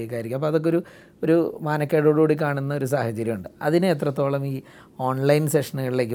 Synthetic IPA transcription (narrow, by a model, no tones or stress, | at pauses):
ekːaːjiɾikʲːmɐp̬ːoɐðo̞kːeo̞ɾu | o̞ɾumaːnɐkːeɽuːɽuːɽik̬ːaːɳunːɐo̞ɾus̬aːhɐt͡ɕːɐɾjɐmuɳɖɨɐðine̞ːt̪rɐt̪ːo̞ːɭɐmiː | o̞ːɳlɐjnseʂɐnuɣɐɭile̞ːk̬ːɨ